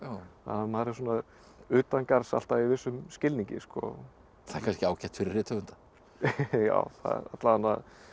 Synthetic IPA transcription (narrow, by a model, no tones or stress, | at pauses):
amaːɾɪs̬uːna | ʏːt̪ankaɾsa̰l̥t̪aivɪsːʏmscɪlniɲcɪ̰skɔ̰ | θaɛ̥ɾkʰanscɪaːwcɛht̪fɪɾɪɾrːɪt̪ʰœvʏnt̪ḁ | ja̰ːwθa̰ða̰t̪laanːað